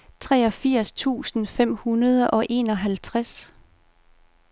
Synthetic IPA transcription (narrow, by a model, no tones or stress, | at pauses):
t͡sʰʁɛːɒ̽fiɐ̰st͡sʰṵːsn̩fem̰hunɐð̞ˠəʔɒ̽ʔe̝ːnɒ̽ɦælt͡sʰʁas